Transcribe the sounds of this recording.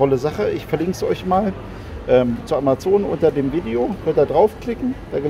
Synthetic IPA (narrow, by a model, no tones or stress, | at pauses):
ɔləzaχəʔɪçfɛɐlɪŋkz̥ʔɔ̰ʏɪçmaːl | ʔɛːmt͡suʔamat͡soːnʔʊ̰ntɐdeːmviːdeohøːɐt̚daːdʁaʊfkl̥ɪkŋ̩d̥aːɡə